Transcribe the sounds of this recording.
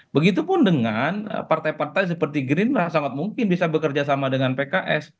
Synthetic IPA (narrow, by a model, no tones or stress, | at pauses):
bəɡit̪̬upʊndəŋanə̰part̪ajpart̪ajs̬əpərt̪iɡɾɪnlahsaŋat̪̚muŋkɪnbisabəkərd͡ʒasamadəŋanpekaʔɛs